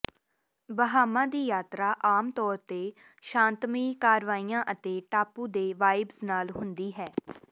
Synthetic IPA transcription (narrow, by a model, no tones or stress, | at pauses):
bəɦaːmãːd̪iːjaːt̪ɾaːʔaːmt̪ɔːɾt̪eː | ʃãːnt̪miːkaːɾʋaːiːãːʔət̪eːʈaːpuːd̪eːʋaːɪbsnaːlɦʊnd̪iːɦɛː